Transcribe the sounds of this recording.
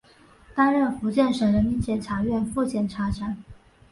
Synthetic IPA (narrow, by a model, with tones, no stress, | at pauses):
t̪a˥nɻə˥˩nfu˧˥t͡ɕjɛ˥˩nʂə˨˩ŋɻə˧˥nmi˧˥nt͡ɕjɛ˨˩nʈ͡ʂʰa˧˥ɥɛ˥˧nfu˥˩t͡ɕjɛ˨˩nʈ͡ʂʰa˧˥ʈ͡ʂʰa˧˥n